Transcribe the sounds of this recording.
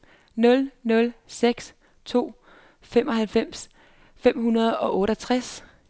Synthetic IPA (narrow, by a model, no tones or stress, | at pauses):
nɔ̽lnɔ̽lseɡ̥s | t͡sʰo̝̰ː | femɒ̽ɦælfem̰s | fem̰hunɐð̞ˠɒ̽ʔɔ̽ːɾɐt͡sʰʁas